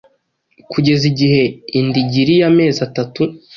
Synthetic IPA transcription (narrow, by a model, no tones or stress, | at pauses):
kʰuɟe̞ziɟiɦe̞indiɟiɾijame̞ːzatatu